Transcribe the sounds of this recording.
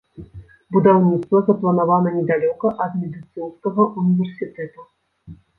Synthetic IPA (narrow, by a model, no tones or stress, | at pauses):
bud̪awnʲit̪st̪vɐzɐplˠɐnavanɐnʲɛd̪alʲɔkɐʔɐd̪mʲɛd̪ɨt̪sɨnskɐɣɐʔunʲivʲɛrsʲɨt̪ɛt̪u